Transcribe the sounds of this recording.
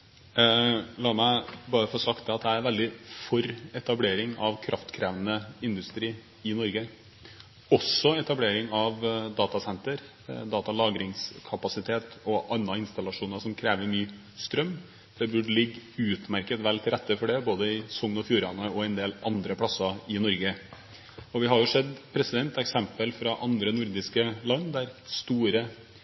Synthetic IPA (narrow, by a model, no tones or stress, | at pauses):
lɑːɾmæɪbɑːɾəfɔʂɑkt̪ɛɑt̪̚d̪ææɾʋɛld̪ɪfɔɾɛt̪ɑbleːɾɪŋɑʋkʰɾʔɑft̪kʰɾæːʋnəɪnd̪ʉst̪ɾiː | ɪnɔɾɡə | ɔsɔɛt̪ɑbleːɾɪŋɑʋd̪ɑːt̪ɑsɛnt̪əɾ | d̪ɑːt̪ɑlɑːɡɾɪŋskʰɑpɑsɪt̪ʰeːt̪ɔʔɑnːɑɪnst̪ɑlɑʂuːnɑʂɔmkʰɾeːʋəɾmyː | st̪ɾœmː | d̪̥ɛbʉɖəlɪɡːʉːt̪mæɾkət̪ʋɛlt̪ʰɪlɾɛt̪ːəfɔɖɛboːd̪əɪsɔŋnɔfjuːɾɑnəɔɛnd̪eːlʔɑnd̪ɾəpʰɽɑsɑɪnɔɾɡə | ɔʋɪɦɑɾjʊʂɛd̪pʰɾɛsɪd̪ɛnt̪ɛksɛmpəlfɾɑʔɑnd̪ɾənʊɾd̪ɪskəlɑnːd̪æɾst̪uːɾə